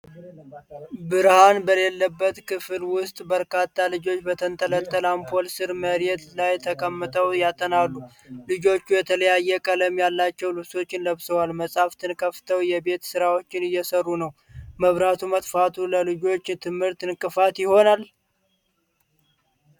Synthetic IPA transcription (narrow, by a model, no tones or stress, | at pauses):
bɨɾhanbəle̞lːəbːət̪kʰɨfɨlwʊst̪ʼbəɾkat̪ʰːalɨd͡ʒo̞t͡ʃːbət̪ʰənt̪ʼələlt̪ʼəlampʰolsɨɾməɾet̪lajt̪ʰəkʼəmːɨt̪ʼʰəwjat̪ʼənalːu | lɨd͡ʒo̞t͡ʃːujɛt̪ʰələjajːɛkʼələmjalːat͡ʃːɛwlɨβso̞t͡ʃːɪnləβsəwalməsʼaft̪ʰɨnkʰəft̪ʰəwjɛbe̞t̪sɨɾawo̞t͡ʃːɪnɨjːɛsərːunəwməβɾat̪ʰumət̪ʼfat̪ʰuləlɨd͡ʒo̞t͡ʃːt̪ʰɨmhɨɾt̪ɨnkʼɨfat̪jɪho̞nal